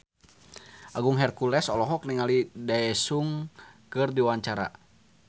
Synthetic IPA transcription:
ʔaɡuŋɦɛrkulɛsɔlɔɦɔk̚niŋalidaɛsuŋkɨrdiwaɲt͡ʃaɾa̰

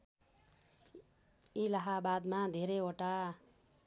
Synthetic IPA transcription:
ilaɦabad̪mad̪ʱeɾejoʈa

